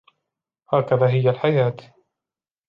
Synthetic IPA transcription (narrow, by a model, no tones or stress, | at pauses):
haːkaðaːɦɪjalħajaːt̪